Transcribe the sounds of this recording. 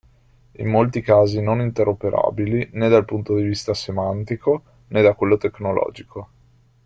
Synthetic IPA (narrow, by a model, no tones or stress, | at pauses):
ḭmːolt̪ikaːzinonint̪eɾopeɾʔa̰ːbilined̪alpunt̪od̪ivist̪asemant̪iko | ned̪akwelːot̪eknolɔ̰ːd͡ʒikʰo